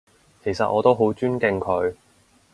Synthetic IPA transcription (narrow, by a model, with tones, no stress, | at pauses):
kʰe˨˩jsɐ˨t̚ʔɔ̰ː˨˧t̪o˥wɦo˨˥wt͡ʃyː˥nkɪ˧ŋkʰɵ˨˧ɥ